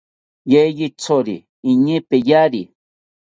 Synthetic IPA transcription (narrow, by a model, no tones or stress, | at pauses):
jejit͡soɾḭː | ɲipejaɾi